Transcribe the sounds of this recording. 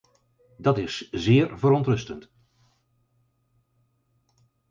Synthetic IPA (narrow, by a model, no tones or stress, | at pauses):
dɑtɪszɪːɹvəɾɔntrɵstənt